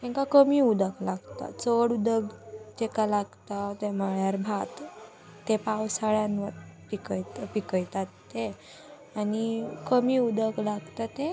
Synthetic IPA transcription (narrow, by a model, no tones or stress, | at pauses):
ɛ̃ŋkakəmiːud̪əklaɡt̪a̰t͡səɽud̪əɡd͡ʑekalaɡt̪at̪emaɭjaɾbʱat̪ː | epawsaɭjãnʋəɾpikəjt̪pikəjt̪at̪ːe | añikəmiud̪əklaɡt̪at̪e